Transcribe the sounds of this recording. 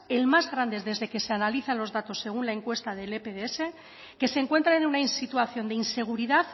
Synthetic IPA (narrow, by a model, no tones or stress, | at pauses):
e̞lmazɣɾand̪ezðe̞zðe̞ke̞se̞analiθanlo̞zðat̪o̞sːe̞ɣ̞unlae̞ŋkwe̞st̪aðe̞lepeðeese̞ | ke̞seŋkwe̞nt̪ɾaenunainsit̪uaθjo̞nd̪einse̞ɣ̞uɾiðaθ